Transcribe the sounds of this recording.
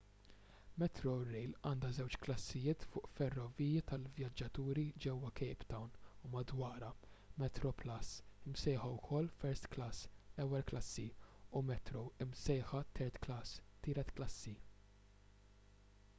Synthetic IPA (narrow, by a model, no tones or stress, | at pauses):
mɛt̪ɾoɾɛjlɐːnd̪ɐzɛwt͡ʃklɐsːɪjɪːt̪fʊːʔfɛrːɔviːjɐt̪ɐlvjɐd͡ʒːɐt̪uːɾid͡ʒɛwːɐkɛjpt̪ɐwnumɐd̪wɐːɾɐmɛt̪ɾɔplɐsɪmsɛjħɐwkʰɔlːfɛɾst̪klɐsɛwːɛlklɐsːiʊmɛt̪ɾoɪmsɛjħɐt̪ʰɛɾt̪klɐst̪ɪːɾɛt̪klɐsːi